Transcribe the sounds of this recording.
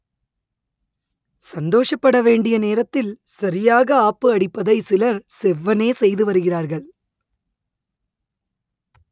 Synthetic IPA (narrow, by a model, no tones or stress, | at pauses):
sɐnd̪oːʂɐpːɐɽɐʋeːɳɖɪjɐneːɾɐt̪ːɪlsɐɾɪjaːɣɐaːpːɯɐɽɪpːɐðɐɪsɪlɐɾsɛʋːɐneːsɛjðɯʋɐɾɯɣɪraːɾɣɐɭ